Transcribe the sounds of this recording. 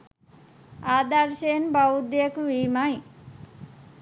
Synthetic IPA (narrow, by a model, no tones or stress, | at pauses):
ad̪aɾsenbʌud̪ekuimaj